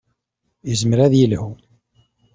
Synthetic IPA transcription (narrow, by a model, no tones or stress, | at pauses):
jəzməɾæðjilhu